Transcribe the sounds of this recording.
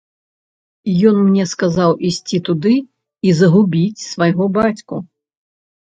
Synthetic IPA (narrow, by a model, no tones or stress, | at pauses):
jɔnmnʲɛskazawʔisʲt͡sʲit̪ud̪ɨ | izɐɣubʲit͡sʲsvajɣɔbat͡sʲku